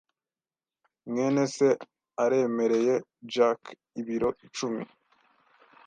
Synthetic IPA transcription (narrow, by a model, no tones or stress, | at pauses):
ŋŋe̞ːne̞se̞ | aɾe̞ːme̞ɾe̞je̞d͡ʒak | iβiɾo̞ʔit͡ʃumḭ